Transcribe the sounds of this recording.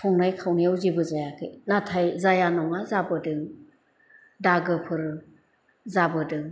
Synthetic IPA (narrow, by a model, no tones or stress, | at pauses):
pʰɔŋnajkʰawnijawzibɯzajakʰɯjnatʰajzajanɔŋazabɯdɯŋ | daɡɯpʰɯɾ | zabɯdɯŋ